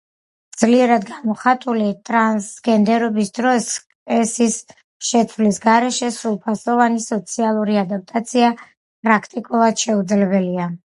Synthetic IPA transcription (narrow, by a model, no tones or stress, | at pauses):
d̪z̥liɛɾad̪ɡamɔχat̪ʼulit̪ʼɾansɡɛnd̪ɛɾɔbisd̪ɾɔskʼɛsis | ʃɛt̪ʰvlisɡaɾɛʃɛsɾulˠpʰasɔvanisɔt̪sʰialˠuɾiad̪ap̚t̪ʼat̪sʰia | pʼɾakʰt̪ʼikʼulˠad̪̥ʃɛud̪zlɛbɛlia